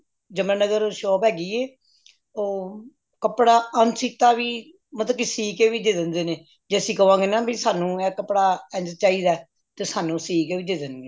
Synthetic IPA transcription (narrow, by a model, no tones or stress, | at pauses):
d͡ʒəmə̃ːnəɡəɾʃɔːpɦɛːɡiːeː | oː | kəpɽaːənsiːkt̪aːʋiː | mət̪əkɪsiːkeːʋiːd̪eːd̪ənd̪eːneː | d͡ʒeːsĩːkəʋãːŋɡeːnaːbisaːnũːɛːkəpːɽaːɛ̃ːnd͡ʒt͡ʃaːiːd̪aːɛ | t̪eːsaːnũːsiːkeːʋiːd̪eːd̪ənɡeː